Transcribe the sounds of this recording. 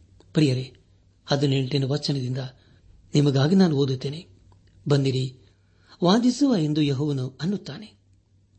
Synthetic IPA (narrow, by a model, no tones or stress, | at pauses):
pɐɾijɐɾe | hɐd̪uneɳʈinuʋɐt͡ʃːɐnɐd̪ind̪ɐ | nimɐɡaːɡinaːnuoːd̪ut̪ːeːne | bɐnd̪iɾi | ʋaːd̪isuʋaːjend̪ujeɦɔːʋɐnuɐnːut̪ːaːne